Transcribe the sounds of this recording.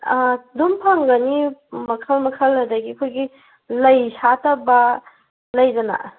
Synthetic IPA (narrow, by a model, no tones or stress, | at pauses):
dumpʰɐŋɡɐnimɐkʰɐlmɐkʰɐlːɐdɐɡiɐkʰojɡi | lɐjsatɐbɐ | lɐjdɐna̰